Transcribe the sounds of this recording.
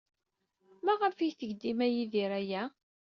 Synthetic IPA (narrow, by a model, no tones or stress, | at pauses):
mæʁəfijθəʝd̪imæjiðiɾæjæ